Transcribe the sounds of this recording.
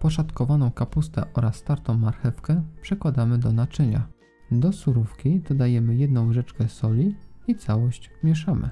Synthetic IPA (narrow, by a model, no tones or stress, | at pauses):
pɔʂat̪kɔvanɔ̃w̃kapust̪ɛ̰ʔɔɾasːt̪aɾt̪ɔ̃w̃maɾxɛfkɛpʂɛkwad̪amɘd̪ɔnat͡ʂɘɲa̰ | d̪ɔsuɾufkʲid̪̥ɔd̪ajɛmɘjɛd̪nɔ̃w̃ʐɛt͡ʂkɛsɔlʲiit̪sawɔɕt͡ɕmʲjɛʂamɘ̰